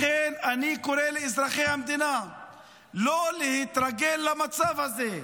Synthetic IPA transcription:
enanikoɾeleizʁaχejhamd̪ina | lolehit̪ɾaɡelːamat͡savhaze

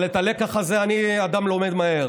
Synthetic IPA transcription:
let̪ale̞kaχazeaniad̪amlo̞med̪mae̞ʁ

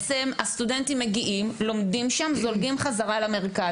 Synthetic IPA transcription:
t͡semast̪ude̞ntimːe̞ɡiʔimlo̞mdimʃamzolɡimχazaʁalame̞ʁika

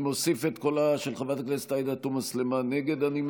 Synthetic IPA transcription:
mo̞sifet̪ko̞laʃelχavat̪aklest̪ajd̪at̪umaslemaneɡe̞d̪anim

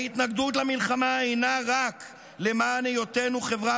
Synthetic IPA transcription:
it̪naɡd̪ut̪lamilχamaejnaʁak | le̞maːnejo̞tenuχe̞vʁa

